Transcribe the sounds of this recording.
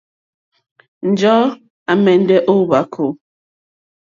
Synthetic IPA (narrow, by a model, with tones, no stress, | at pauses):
n̩˨d͡ʒɔ˦ | a˨mɛ˨n˦dɛ˦ʔo˦ba˨˦kʰo˨